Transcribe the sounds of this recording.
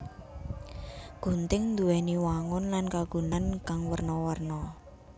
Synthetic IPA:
ɡ̥ṳnt̪ɪŋnd̪uwɛniwaŋʊnlankaɡ̥ṳnankaŋwərnɔwərnɔ

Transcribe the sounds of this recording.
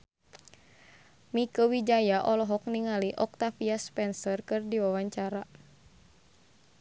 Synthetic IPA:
mikəwid͡ʒajaʔɔlɔɦɔk̚niŋaliʔɔk̚t̪afiaspɛnsərkɨrdiwawaɲt͡ʃaɾa

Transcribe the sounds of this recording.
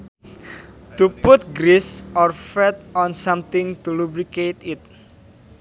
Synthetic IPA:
t̪uput̪̚ɡɾisɔrfɛt̪̚ɔnsamt̪ɪŋt̪ulubɾiket̪ɪt̪̚

